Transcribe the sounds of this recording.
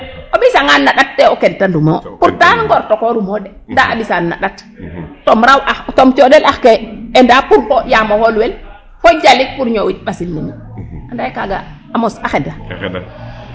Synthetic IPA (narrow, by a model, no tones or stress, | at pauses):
oɓisaŋanːaɗat̚ːɛokentandumopuɾtanŋɡɔɾtokoɾumoɗɛ | ndaʔaɓisanːa̰ɗat | tomɾawʔaxtomtoɗɛlaxkeendapuɾhojamoholuwel | hod͡ʒalik̚puɾɲowit̚ɓasilnima | andajkaɡa̰ | amosaxɛda